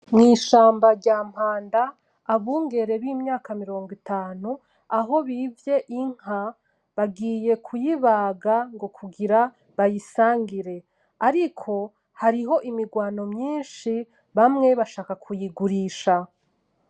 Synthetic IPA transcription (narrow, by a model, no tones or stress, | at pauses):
mŋiːʃaːmbaɾɟaːm̥haːndaː | βuːŋɡe̞ɾe̞βimɲaːkamiɾo̞ːŋɡitaːnu | aɦo̞βiːvje̞ʔiŋ̥a | βaɡiːje̞kʰujiβaɡaŋɡo̞kʰuɡiɾa | βajisaːŋɡiɾe̞ | aɾikʰo̞ | haɾiɦo̞ʔimiɡwaːno̞mɲiːnʃi | βamŋe̞βaʃaːkakʰujiɡuɾiːʃa